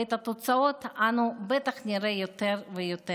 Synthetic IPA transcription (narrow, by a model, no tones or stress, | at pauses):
et̪at̪ot͡ssaot̪anubet̪aχnʲiɾejot̪eɾvejot̪e